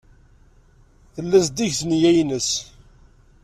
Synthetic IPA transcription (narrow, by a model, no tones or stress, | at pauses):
θəlːæsd̪iʝθnjæjnəs